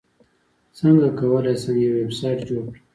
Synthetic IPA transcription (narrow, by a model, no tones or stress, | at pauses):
səŋɡakawəlajsəŋɡjewebsɑjʈd͡ʒoɾki